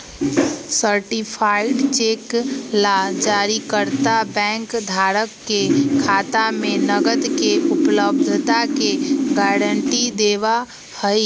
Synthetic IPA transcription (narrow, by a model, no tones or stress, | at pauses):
səɾʈipʰaːɪɖt͡ʃeːklad͡ʒaːɾikəɾt̪abɛ̃ːŋkd̪ʱaːɾəkːekʰaːt̪amẽnəɡəd̪keʊpləb̚d̪ʱt̪akeɡaːɾəɳʈid̪eːʋa | həi